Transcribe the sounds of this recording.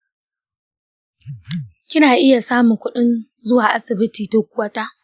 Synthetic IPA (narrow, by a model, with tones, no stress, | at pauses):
kʲɪ˦naː˨ʔɪ˦ja˨saː˦mʊ˨ŋkʷʊ˦ɗɪ˦n | zʊ˦waː˨ʔa˦sɪ˨bɪ˦tiː˨to˦kʷʊ˦waː˦ta˦ʔ